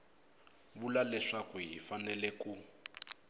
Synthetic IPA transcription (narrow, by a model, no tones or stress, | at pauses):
βulalɛʂakuɦifanɛlɛku